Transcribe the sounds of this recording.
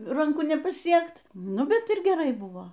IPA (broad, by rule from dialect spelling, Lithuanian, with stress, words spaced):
rɐŋˈkʊ nʲɛpɐˈsʲiɛkt ˈnʊ ˈbʲɛt ɪr ɡʲɛˈrɐɪ ˈbʊʋoː